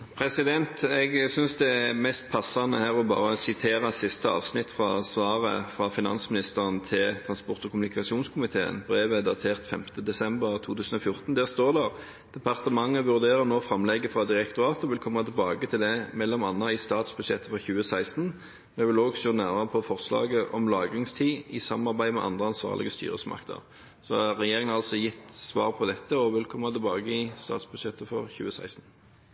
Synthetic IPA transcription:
pʰɾɛsɪd̪ɛnt̪ɛɡsʏnsd̪ɛæmɛst̪̚pʰɑsːɑnəhæːɾɔbɑ̰ːɾəɔsɪt̪ʰeːʁɑsɪst̪əɑ̰ːʋsnɪt̪ːfʁɑsʋɑːʁə̰fʁɑfɪnɑ̰nsmɪnɪst̪əʁənt̪ʰɪlt̪ʰʁɑnspɔʁt̪ɔkʊmʉnɪkɑsɪuːnskʰʊmɪt̪ʰḛːə̰nbɾeːʋəd̪ɑt̪ʰeːʁt̪fɛmt̪əd̪ɛsɛmbəʁt̪ʰuːt̪ʰʉːsən̩ɔfjʊʁt̪nd̪æːʁst̪oːʁd̪æʁ | d̪̥ɛpɑʁt̪əmɑŋːəʋʉʁd̪eːʁəʁnoːfɾɑmlɛɡːəfʁɑd̪ɪʁɛkt̪ʊɑːt̪ɔʋɪlkʰɔmːɑt̪ʰɛlbɑːɡət̪ʰɪld̪ɛmɛlːɔmɑnːɑɪst̪ɑːt̪sbʉd̪ʃɛt̪ːəfɔʁçʉːəsæɪst̪n | mɛʋɪloːɡʃoːnæʁməʁəpʰɔfɔʁslɑ̰ːɡəʔɔmlɑːɡʁɪŋst̪ʰiːɪsɑmɑʁbæɪd̪mɛ̰ʔɑ̰nd̪ʁəɑnsʋɑ̰ːʁlɪ̰ɡəst̪y̰ːʁə̰smɑ̰kt̪ʰə̰ʁ | sɔhɑʁɛjeːʁɪŋənɑlsɔjɪt̪ːsʋɑːʁpʰɔd̪ɛt̪ʰːəɔʋɪlkʰɔmːɑt̪ʰɪlbɑːɡəɪst̪ɑ̰ːt̪sbʉd̪ʃɛt̪ːəfɔʁçʉ̰ːəsæ̰ɪst̪n̩

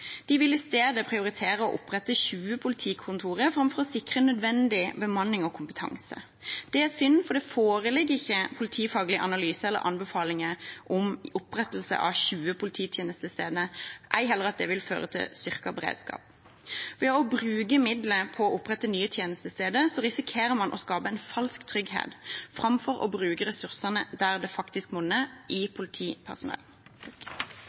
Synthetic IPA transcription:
d̪̥ɪʋɪlɪst̪eːd̪əpʰɾɪʊɾɪt̪ʰeːɾəɔʔʊpɾɛt̪əçʉːəpʰʊlɪt̪ʰiːkʰʊnt̪ʰuːʁəfʁɑmfɔɾɔsɪkɾənœd̪ʋɛnd̪ɪbəmɑnːɪŋɔkʰʊmpət̪ʰɑ̰ŋsə̰ | d̪̥ɛæsʏnfɔd̪ɛfoːɾəlɪɡɪçːəpʰʊlɪt̪ʰiːfɑːɡlɪəʔɑnɑlyːsəɛlːə̰ɾʔɑ̰nbəfɑːlɪŋəʔɔmʊpɾɛt̪l̩sə̰ʔɑ̰ʋçʉːəpʰʊlɪt̪ʰiːt̪ʰjeːnəst̪əst̪eːd̪ənəʔæɪɦɛlːəʁɑt̪̚d̪ɛʋɪlfø̰ːʁət̪ʰɪ̰lst̪ʏʁkɑbɛʁḛːd̪skɑ̰ːp̚ | ʋɛɔbʁʉːɡəmɪd̪ləpʰɔːʔʊpːʁɛt̪ːənyːət̪ʰjeːnəst̪əst̪eːd̪əsɔʁɪsɪkʰeːɾəmɑnʔɔ̰skɑːpəɛɪnfɑlskt̪ʰʁʏɡhḛːt̪fʁɑmfɔʁʔɔ̰bʁʉːkəʁɛsʉʁsənəd̪æʁd̪ɛfɑkt̪ɪskmʊnːəʔɪpʰʊlɪt̪ʰiːpʰæ̰ʁsʊnɛ̰l

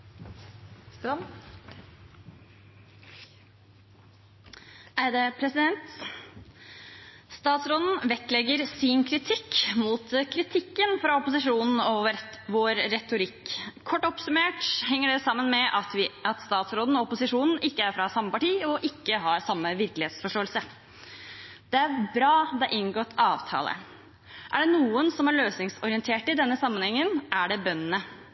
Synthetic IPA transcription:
ʔæɪd̪ɛːpʰɾɛsɪd̪ɛnt̪ | st̪ɑːt̪sɾoːd̪n̩ʋɛk̪lɛɡəɾsɪnkʰɾɪt̪ʰɪkːmuːt̪kʰɾɪt̪ʰɪkːənfɾɑɔpʊsɪʂuːnn̩ɔʋoːɾɾɛt̪ʊɾɪkʰːɔʈːɔpsʉmeːʈhɛŋːəɖɛsɑmːənmɛʔɑt̪ɑt̪st̪ɑːt̪sɾoːd̪n̩ɔɔpʊsɪʂuːnn̩ʔɪkːəæɾfɾɑsɑmːəpɑʈiːɔʔɪkːəɦɑɾsɑmːəʋɪɾklɪheːt̪sfɔʂʈoːəlsə | d̪̥ɛæɾbɾɑːd̪ɑʔɪnɡoːt̪ɑːʋt̪ʰɑ̰ːlə̰ | ʔæɖɛnuːənsɔmæɾɭøːsnɪŋsɔɾɪənt̪ʰeːʈɪd̪ɛnːəsɑmːənhɛŋːənʔæɖɛbœnːənə

